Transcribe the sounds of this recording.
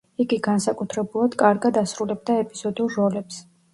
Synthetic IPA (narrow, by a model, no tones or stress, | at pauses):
iɡiɡansakʼut̪ʰɾɛbulˠad̪̥kʼaɾɡad̪asɾulɛb̚d̪aɛpʼiz̥ɔd̪ulˠɾɔlɛps